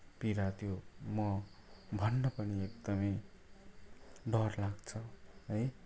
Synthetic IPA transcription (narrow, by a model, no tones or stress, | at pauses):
piɾat̪ʰjomʌ | bʱʌnːʌpʌniekd̪ʌmʌj | ɖʌrlaɡt͡sʰʌɦʌj